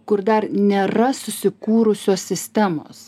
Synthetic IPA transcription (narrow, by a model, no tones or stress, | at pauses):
kʊɾd̪ɐrnʲeːɾɐsʊsʲɪkuːɾʊsʲoːsʲsʲɪsʲt̪ʲæːmo̰ːs